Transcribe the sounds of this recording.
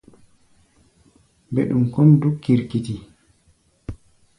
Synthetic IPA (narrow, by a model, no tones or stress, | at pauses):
mbeɗumkɔmdukːiɾkiti